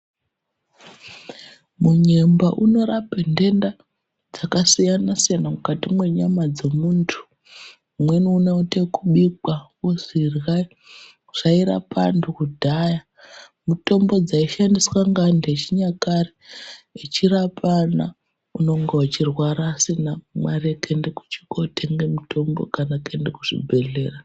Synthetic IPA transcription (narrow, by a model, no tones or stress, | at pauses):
muɲembaʔuno̞ɾapende̞nda | d͡zakasijanasijanamukatimwe̞ɲamad͡ze̞muːntʰu̥ː | mweniuneutekuɓikwawozirɣa | uʐ̥aiɾa̰pa̰ndʰukudʱaja | muto̞mbo̞d͡zaiʃandiswaŋɡandet͡ʃiɲakareet͡ʃiɾapʰana̰ | uno̞ŋɡeat͡ʃirwaɾaːsinamaɾekʰendeku̥t͡ʃi̥kotʰeŋɡemuto̞mbo̞̰kanakendekuʐ̥ḭbʱe̞ɮe̞ːra